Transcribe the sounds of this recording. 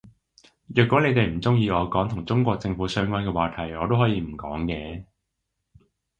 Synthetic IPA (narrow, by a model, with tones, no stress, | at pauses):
jœː˨kʷːɔː˨˥le˨˧jt̪e˨jm̩˨˩t͡sʊ˥ŋjiː˧ɔː˨˧kɔː˨˥ŋt̪ʰʊ˨˩ŋt͡sʊ˥ŋkʷɔː˧k̚t͡sɪ˧ŋfuː˨˥sœː˥ŋkʷwaː˥nkɛː˧waː˨˧t̪ʰɐ˨˩jɔː˨˧t̪o˥wɦɔː˨˥jiː˧m̩˨˩kɔ̰ː˨˥ŋkɛː˧